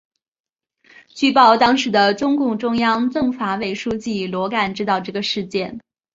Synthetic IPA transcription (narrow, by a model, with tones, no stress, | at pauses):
t͡ɕy˥˧pɑ˥˩ʊt̪ɑ˥ŋʂɻ̩˧˥d̪ə˧ʈ͡ʂʊ˥ŋkʊ˥˧ŋʈ͡ʂʊ˥ŋjɑ˥ŋt͡sɤ˥˩ŋfa˧˥we˨˩ɪʂu˥t͡ɕi˥˩lwɔ˧˥ka˨˩nʈ͡ʂɻ̩˥t̪ɑ˥˧ʊʈ͡ʂɤ˥˩ɡə˩ʂɻ̩˥˧t͡ɕjɛ˥˩n